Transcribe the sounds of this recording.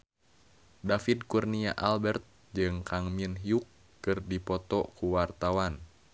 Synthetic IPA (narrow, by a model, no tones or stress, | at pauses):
dafid̚kurniaʔalbɛrt̪̚ | d͡ʒɨŋkʰaŋminɦiukː | ɨrdipɔt̪ɔkuwart̪awan